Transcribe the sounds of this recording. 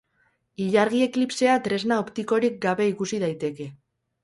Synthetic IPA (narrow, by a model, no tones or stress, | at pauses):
iʎaɾɣ̞ie̞klipse̞at̪ɾe̞znaopt̪iko̞ɾik̚ɡaβe̞ikusiðajt̪e̞ke̞